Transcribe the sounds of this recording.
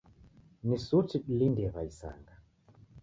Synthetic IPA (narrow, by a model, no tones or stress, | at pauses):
nisutiɗlindɛɣaisa̰ŋɡa